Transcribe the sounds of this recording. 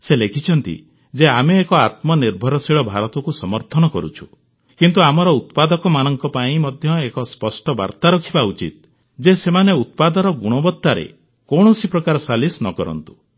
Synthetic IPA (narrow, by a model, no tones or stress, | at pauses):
selekʰit͡ʃʰɔnt̪ḭ | d͡ʒeameːkɔat̪mɔniɾbʱɔɾɔsiɭɔbʱaɾɔt̪ɔkusɔmɔɾt̪ʰɔnɔkɔɾut͡ʃʰu̥ | kint̪uamɔɾɔut̪pad̪ɔkɔmanɔŋkɔpaĩmɔd̪ʱjɔekɔspɔsʈɔba̰ɾt̪aɾɔkʰibaut͡ʃḭt̪̚ | d͡ʒesemaneut̪̚pad̪ɔɾɔɡuɽ̃ɔbɔt̪ːaɾḛ | koɽ̃ɔsipɾɔkaɾɔsalisnɔkɔɾɔ̰nt̪u̥